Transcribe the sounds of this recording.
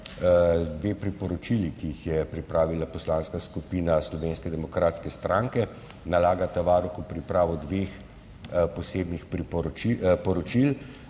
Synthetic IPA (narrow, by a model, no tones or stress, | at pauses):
d̪ʋeːpɾipɔɾɔt͡ʃilikiixjɛpɾipɾaːʋilapɔslaːnskaskupiːnaslɔʋeːnskɛd̪ɛmɔkɾaːt̪skɛst̪ɾaːŋkɛ | nalaːɡat̪aʋaːɾɔkupɾipɾaːʋɔd̪ʋeːx | pɔseːbnixpɾipɔipɔɾɔt͡ʃil